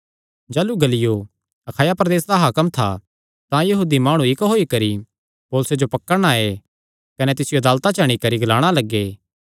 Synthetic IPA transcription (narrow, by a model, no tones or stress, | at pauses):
d͡ʒaːluɡɐlɪjo | ɐkʰaːjapɾɐd̪eːsd̪aɦɐkəmt̪ʰa̰ | t̪ãjɐɦuːd̪imaːɽ̃ũɪkɦoːikɐɾi | poːlsed͡ʒopɐkːəɽɽ̃ae | kɐnɛt̪ɪsɪjoɐd̪aːlt̪at͡ʃɐɽ̃ikɐɾiɡɐlaːɽ̃alɐɡːeː